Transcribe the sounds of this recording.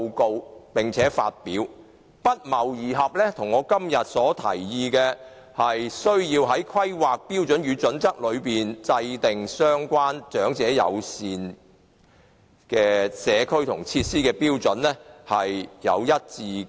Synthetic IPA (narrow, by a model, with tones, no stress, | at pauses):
wko˧wpɪ˨ŋt͡sʰɛː˨˥fa̰ː˧t̚piː˨˥w | pɐ˥t̚mɐ˨˩wjiː˨ɦɐ˨p̚lɛː˥t̪ʰʊ˨˩ŋɔː˨˧kɐ˥mjɐ˨t̚sɔː˨˥t̪ʰɐ̰˨˩jːiː˧kɛː˧ | hɐ˨jsɵ˥ɥjiː˧wɦɐ˨˥jkʰɐ˥jwaː˨k̚piː˥wt͡sɵ˨˥njyː˨˧t͡sɵ˨˥nt͡sɐ˥k̚lɵ˨˧ɥpiː˨nt͡sɐ˧jt̪ɪ˨ŋsœː˥ŋkʷaː˥nt͡ʃœː˨˥ŋt͡sɛː˨˥jɐ̰˨˧wsiː˨n | kɛː˧sɛː˨˧kʰɵ˥ɥt̪ʰʊ˨˩ŋt͡sʰiː˧t̚siː˥kɛː˧piː˥wt͡sɵ˨˥nlɛ˥hɐ˨jjɐ̰˨˧wjɐ˥t̚t͡siː˧